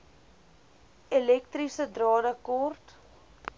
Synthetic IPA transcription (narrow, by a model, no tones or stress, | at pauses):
elɛk̚trisədrɑːdəkɔrt